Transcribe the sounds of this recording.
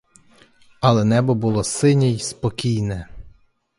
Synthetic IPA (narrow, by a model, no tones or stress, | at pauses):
ɐlˠɛnɛbɔbʊlˠɔsɪnʲijspɔkʲijnɛ